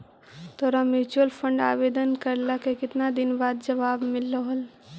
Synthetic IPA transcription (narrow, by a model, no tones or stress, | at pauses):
t̪oːɾamɪɾt͡ʃuəlpʰə̃ɳɖa̰ːʋeːd̪ənkəɾlakekɪt̪nad̪ɪnbaːd̪d͡ʒɐʋaːbmɪlːəɦəl